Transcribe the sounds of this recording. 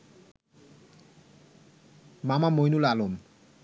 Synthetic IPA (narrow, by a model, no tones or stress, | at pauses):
mamamojnulalom